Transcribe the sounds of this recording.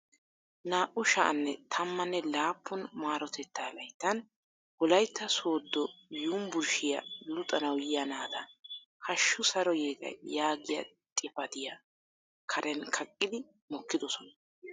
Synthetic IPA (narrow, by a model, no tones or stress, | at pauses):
naːʔʊʃɐ̰ʔɐ̰nːɛt̪ʰɐmːɐnːɛlaːpʰːʊnmaːɾɔt̪ɛt̪ːaːlɐjt̪ːɐn | bɔlɐjt̪ːɐso̞ːd̪ːɔjuːmbʊɾʃɪjɐ̰lʊt̪ʼɐnɐwjɪjɐnaːd̪ɐ | hɐʃːʊsɐɾɔjeːɡ̪ɐ̰jaːɡɪjɐ̰ | t̪ʼɪpɐt̪ɪja | kʰɐɾʔɛnkʰɐkʼːɪd̪ɪ | mɔkːɪd̪ɔsɔnɐ